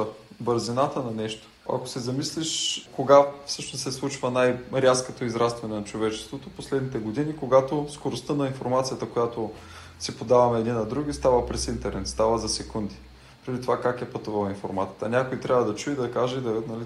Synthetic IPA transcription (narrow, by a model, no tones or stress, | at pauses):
bəɾzinat̪ənɐnɛʃt̪o̥ɐ̰ko̥sɛzɐmisliʃkoɡafsɤʃnossɛslˠut͡ʃvənajɾʲaskot̪oizɾast̪vɐnɛnɐt͡ʃovɛt͡ʃɛ̥st̪vot̪oposlɛd̪nit̪ɛɡod̪inikoɡat̪oskoɾost̪ənɐinfoɾmat̪sijət̪əkojat̪o | sipod̪avɐmɛɛd̪inːɐd̪ɾuɡʲist̪avəpɾɛsint̪ɛɾnɛt̪st̪avəzɐsɛkund̪i̥ | pɾɛd̪it̪ovakakɛpət̪uvɐlˠinfo̰ɾmat̪iət̪ənʲakoit̪ɾʲavəd̪ɐt͡ʃuid̪ɐkaʒɛid̪ɐɛt̪nɐli